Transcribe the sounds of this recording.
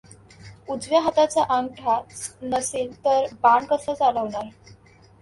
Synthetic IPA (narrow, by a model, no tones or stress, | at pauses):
ud͡zʋjaɦət̪at͡saʔaŋʈʰat͡snəsiːlt̪əɾbaɳkəsət͡saləʋɳaɾ